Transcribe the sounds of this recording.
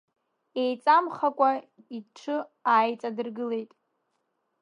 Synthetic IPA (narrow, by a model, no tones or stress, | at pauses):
e̞jt͡sʼamχakʷʼa | iʈ͡ʂʰɨaːjt͡sʼadɨrɡɨle̞jtʼ